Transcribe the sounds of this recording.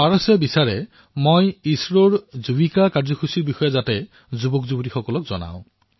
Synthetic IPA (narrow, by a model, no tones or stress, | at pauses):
baɹɔsɛbisaɹɛ | mojisɹoɹzubikakaɹzɔkʰusiɹbixɔjazatɛ | zubɔkzubutixɔkɔlɔkzɔ̰na̰ʊ̃